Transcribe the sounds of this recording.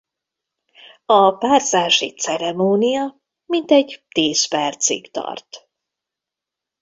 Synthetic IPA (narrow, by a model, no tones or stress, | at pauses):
ɒpaːrzaːʃḭt̪sɛɾɛmoːnijɒ | mint̪ɛɟt̪iːspɛrt̪sḭkt̪ɒ̰rt̪